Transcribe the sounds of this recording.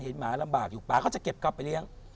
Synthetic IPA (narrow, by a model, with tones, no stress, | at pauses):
he˨˩˦nmaː˩˦la˧mbaː˨˩k̚juː˨˩k͡plaː˨kɔː˥˩t͡ɕa˨˩ke˨˩p̚ka˧˩wpːa˧jli˦˥˩əŋ